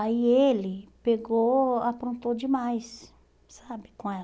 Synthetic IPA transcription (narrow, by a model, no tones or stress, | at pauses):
aielɪpeɡoapɾõnt̪od͡ʒɪmajs | sabɪkõɛ